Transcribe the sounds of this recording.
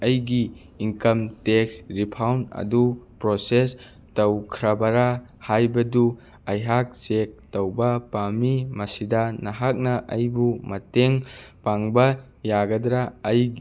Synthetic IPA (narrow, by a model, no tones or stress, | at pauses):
ɐjɡiː | ŋkɐmteksɾipʰawnɐ̰dupɾoses | tɐwkʰɾɐbɐɾa | hajbɐdu | ɐjɦak̚sek̚tɐwbɐpamimɐsidɐnɐɦak̚nɐʔɐjbumɐteŋpaŋbɐ | jaɡɐdɾaːj